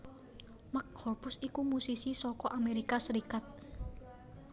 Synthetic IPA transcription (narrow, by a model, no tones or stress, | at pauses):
mak̚hɔrpʊsikumusisisɔkɔʔameɾikasəɾikat̪̚